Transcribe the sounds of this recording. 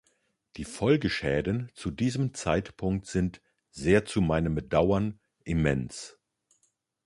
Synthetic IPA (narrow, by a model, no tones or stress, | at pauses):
d̥iːfɔlɡəʃɛːdn̩t͡sudiːzəmt͡saɪtpʰʊŋk̚tz̥ɪnt | z̥eːɐt͡sumaɪnəmbədaʊɐn | ʔimɛns